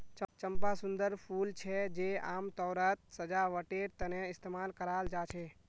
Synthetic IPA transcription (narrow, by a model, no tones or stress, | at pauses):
t͡ʃət͡ʃəmpasʊ̃nd̪əɾpʰuːlt͡ʃʰɛd͡ʒeːaːmt̪ɔːɾət̪̚səd͡ʒaʋəʈeɾt̪əneɪst̪emaːlkəɾaːld͡ʒaːt͡ʃʰeː